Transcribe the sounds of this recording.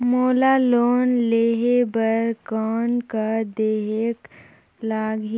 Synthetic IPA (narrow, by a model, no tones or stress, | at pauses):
moːlaloːnleːɦebəɾkɔːnkad̪eːɦek | laːɡi